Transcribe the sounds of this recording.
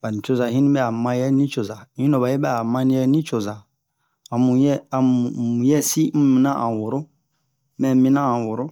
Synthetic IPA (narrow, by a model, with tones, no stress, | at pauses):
ba˨ni˨t͡ʃo˦za˨hĩ˦ni˦mɛ˦a˨mã˦jɛ˦nĩ˦t͡ʃo˨za˨˦ĩ˦nɔ˨ba˨jɛ˦bɛ˦a˨ma˦ni˦jɛ˦nĩ˦t͡ʃo˨za˨ | a˨mu˨jɛ˦a˨jɛ˦si˦m̩˦mĩ˨na˦ʔã˨wu˨ɾu˦ | mɛ˦˨mĩ˦nã˦ã˨wu˨ɾu˦